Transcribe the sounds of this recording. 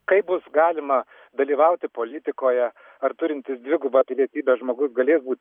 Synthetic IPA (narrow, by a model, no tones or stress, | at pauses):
kɐɪp̚bʊsɡɑːlʲɪmɐ | d̪ɐlʲiːʋɐʊt̪ʲɪpoːlʲɪt̪ʲɪkoːjɛ | ɐrt̪ʊɾʲɪnʲt̪ʲɪsd̪ʲʋʲɪɡʊbɐpʲɪlʲiɛt̪ʲiːbʲɛːʒmoːɡʊsɡɐlʲeːsbuːt̪̚ʲ